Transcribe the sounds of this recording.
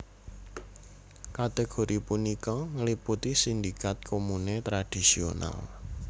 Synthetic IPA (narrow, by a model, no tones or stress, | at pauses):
kat̪eɡ̥o̤ɾipunikɔŋəliput̪isind̪ikat̪̚kʰomunet̪ɾad̥isio̰na̰l